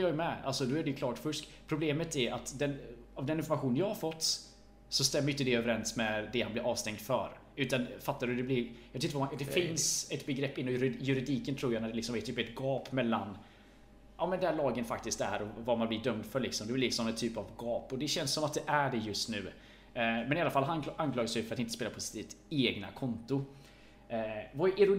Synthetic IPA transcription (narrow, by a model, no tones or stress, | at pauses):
jɑːɡɛmɛa̰lsɔd̪oːæɖɛjɵkʰlɑːʈfɵʂkpʰɾʊbleːmət̪æɾat̪d̪ɛnavd̪ɛnɪnfɔɾmaɧuːnənjɑːhaɾfɔt̪ː | sɔst̪ɛmːɾjʏnt̪əd̪ɛøːvəɾɛnsmɛd̪ɛhanblɪɾɑːvst̪ɛŋd̪fœ̰ɾ | ʉ̟ːt̪anfat̪ːaɾʉd̪ɛblɪɾjɑvet̪ɪnt̪ːvaad̪ɛfɪnsɛt̪bɛɡɾɛpːɪnːɔmjɵɾɪjɵɾɪd̪iːkənt̪ʰɾuːɾjaːnæɖɛlɪksɔmɛt̪ʰyːpɛt̪ɡɑːpmɛlːan | ʔɑːmɛnd̪ɛæːɭɑːɡənfakt̪ɪskt̪æ̰ɾɔvamanblɪɖœmd̪fœɭɪksɔmd̪ɛblɪt̪əsɔmːɛnt̪ʰyːpavɡɑːpɔd̪ɛɕɛnssɔmat̪̚d̪ɛʔæɖɛjɵst̪nʉ̟ː | mɛnɪalːafalːɦʔanklɑːɡəʂɛjfœɾat̪ɪnt̪əspeːlapʰɔsɪt̪ʰit̪eːɡna̰kʰɔnt̪ʊ | vaʔɪɾʊ